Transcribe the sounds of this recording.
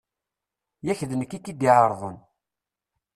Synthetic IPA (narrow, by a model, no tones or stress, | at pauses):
jæçðənəkːikːid̪iʕəɾˤðˤən